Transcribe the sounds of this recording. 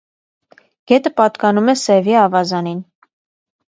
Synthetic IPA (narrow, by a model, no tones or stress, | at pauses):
ɡ̥ɛt̪əpɑt̪kɑnumɛsɛviɑvɑzɑnin